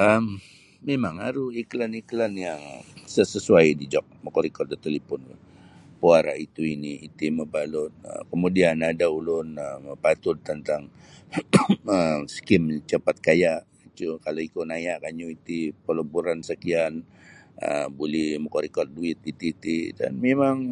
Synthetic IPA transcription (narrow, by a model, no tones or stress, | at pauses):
əmː | emaŋaɾuiklaniklanjaŋsəsəsuajdid͡ʒɔk̚məkɔɾikɔt̪̚dət̪əlipʊn | puaɾa̰it̪uiniːt̪iməbalʊt̪̚ə̰kəmudianadaulʊnəməpat̪ʊlt̪ənt̪aŋ | əmskɪmt͡ʃəpat̪̚kajaʔ | it͡ʃ̪ukaloikonajaʔkaɲuit̪ipələbuɾansəkian | ə̰bulɛhməkɔɾikɔr̚duɪt̪̚it̪it̪ida̰nmemaŋ